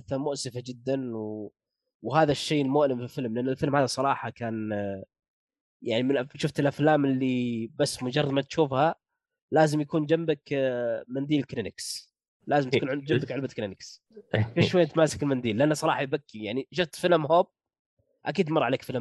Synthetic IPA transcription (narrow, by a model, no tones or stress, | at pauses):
θamʊʔsɪfad͡ʒɪd̪ːanw | whaːðaʃːejːɪlmʊʔlɪmfilfɪlmlʔanːalfɪlmhaːðasˤɑɾˤɑːħɑkaːn | jaʕnimɪnʃʊft̪ɪlʔaflaːmɪlːibasːmʊd͡ʒɑrˤːɑd̪mat̪ʃuːfha | laːzɪmjakuːnd͡ʒambɪkmand̪iːlklɪnɪks | laːzɪmt̪kuːnʕɪd̪d͡ʒamb̪ɪkʕɪlbaklɪnɪks | ʔeʃwajːt̪maːsḁkɪlmand̪iːlːɪʔanːasˤɑɾˤɑːħɑjbakːijaʕniʃ̬ʊft̪fɪlmhoːb̚ | ʔakiːd̪mɑrˤːɑʕaleːkfɪlm